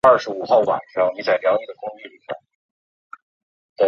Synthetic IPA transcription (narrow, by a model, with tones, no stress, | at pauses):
ɐ˞˥˩ʂɻ̩˧˥u˨˩xɑ˥˩ʊwa̰˨˩nʈ͡ʂɑ˥ŋni˧˥t͡sa˨˩ljɑ˧˥t͡ɕi˨˩ɡ̪ə˩kʊ˥ŋy˥˧li˥˩ɕʰa̰˥ | t̪e˥˩